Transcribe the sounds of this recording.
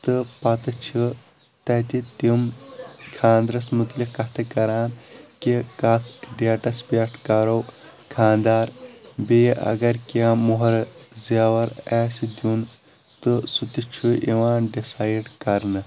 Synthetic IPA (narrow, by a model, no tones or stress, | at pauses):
t̪ɨpɐt̪ɐt͡ʃʰi | t̪ɐt̪it̪imkʰaːnd̪ɾɐsmut̪likkːɐt̪ʰɐkɐɾaːnkikat̪ʰɖaʈɐspeʈʰkɐɾowkʰaːnd̪aːɾbeːʔɐ̰ɡɐɾkiaːmuɦɐɾzijaːʋɐɾaːsid̪jun | t̪ɨsut̪it͡ʃʰuʔiʋaːnɖisaːjɖkɐɾnɐ